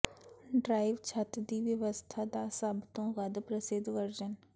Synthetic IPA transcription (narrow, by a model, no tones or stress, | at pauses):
ɖɾaːiʋt͡ʃʰət̪d̪iːʋjəʋəst̪ʰaːd̪aːsəbt̪õːɣəd̪pɾəsɪd̪ʋəɾd͡ʒən